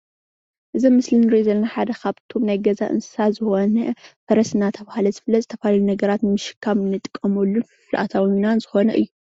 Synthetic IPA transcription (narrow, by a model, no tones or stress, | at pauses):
ʔɨzimːɨslinɨɾizɐlːɐnaħad̪ɐkʰaβt̪ʰo̞mnajɡɐza̰ʔɨ̰nsɨ̥sazɨxo̞nɐfɐɾɐsɨnat̪ʰɐβahalɐzɨfɨlːɐt̪zɨt̪ʰɐfaalunɐɡɐɾat̪nmɨʃɨ̥kʰːamɨnːɨt̪ʼɨ̥kʼːɐmolːunfɨflʔa̰t̪ʰawinanzɨxo̞nɐ̰ʔɨ̰jːu